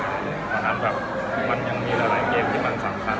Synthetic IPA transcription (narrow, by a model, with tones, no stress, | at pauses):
a˨˦mɾa˨˩p̚ | ma˧nɲa˧ŋmiː˧ɾa˧la˨˩˦ŋkeː˧mt̪ʰiː˥˩ma˧nsa˩˦mkʰa˧˥n